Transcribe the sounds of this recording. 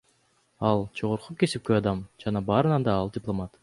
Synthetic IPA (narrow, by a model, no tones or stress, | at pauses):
ɑlˠd͡ʒo̞ʁoɾqʰukesip̚køɑd̪ɑmd͡ʒɑnɑbɑːɾɯnɑnd̪ɑɑlˠdʲɪplˠomat̪